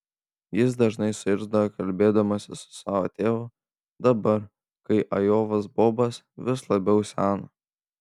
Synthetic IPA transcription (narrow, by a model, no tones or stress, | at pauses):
jɪs̬d̪ɐʒnɐɪsʊɪɾzd̪ɐʋɐkɐlʲbʲeːd̪ɐmɐsʲɪsʊ̥sɑːʋo̰ːt̪ʲeːʋʊ | d̪ɐbɐɾ | kɐɪʔɐjoːʋɐsboːbɐs | ʋʲɪslˠɐbʲɛʊsʲæːno